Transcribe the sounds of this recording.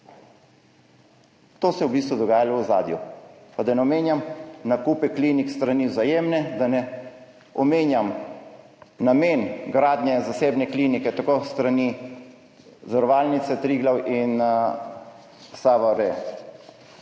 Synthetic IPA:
t̪oːsɛwbiːst̪ʋud̪ɔɡaːjalɔɔza̰ːd̪jupad̪anɛɔmeːnjamnakuːpɛkliːnikst̪ɾaniwzajeːmnɛd̪anɛ | ɔmeːnjam | nameːnɡɾaːd̪nɛzaseːbnɛklinikɛt̪akoːst̪ɾani | zaɾɔʋaːlnit̪sɛt̪ɾiːɡlawʔin | saʋaɾɛ

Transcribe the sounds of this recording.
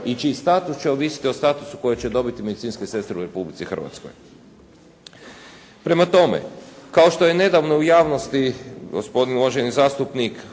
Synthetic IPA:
it͡ʃiːst̪aːt̪ust͡ɕeoʋisi̥t̪io̞st̪aːt̪usu̥ko̞jet͡ɕe̞d̪o̞bit̪ime̞d̪it̪sinskese̞st̪ɾeuɾe̞publit̪sixr̩ʋa̰t̪sko̰j | pɾe̞mat̪o̞mḛkao̞ʃt̪o̞je̞ne̞d̪aʋno̞ujaːʋnost̪iɡo̰spo̞d̪inulˠoʒenizaːst̪upnik

